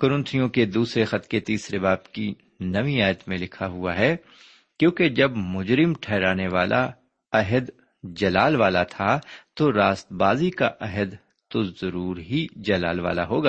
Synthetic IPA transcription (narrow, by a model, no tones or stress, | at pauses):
kʊɾʊ̃nt̪ʰijõked̪uːsɾexɐt̪ket̪iːsɾebaːbki | nɐʋiaːjət̪mẽlɪkʰaɦua̰ɦɛ | kjõːked͡ʒɐbmʊd͡ʒɾɪmʈʰɛːɾaːneʋaːlʔa | ɐɦəd̪ | d͡ʒɐlaːlʋaːlat̪ʰat̪oɾaːst̪baːzikaʔɐɦəd̪ | t̪ozɐɾuːɾɦid͡ʒɐla̰ːlʋa̰ːla̰ɦoːɡaː